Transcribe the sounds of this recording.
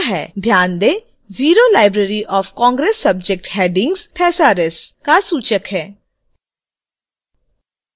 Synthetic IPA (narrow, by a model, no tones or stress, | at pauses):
ɦɛːd̪ʱjaːnd̪eː | ziːɾolaːɪbɾeːɾiʔɔːfkɔ̃ːŋɡɾeːsːɐb̚d͡ʒek̚ʈɦɛːɖɪ̃ŋɡzt̪ʰɛːsaːɾɪskasuːt͡ʃəkɦɛː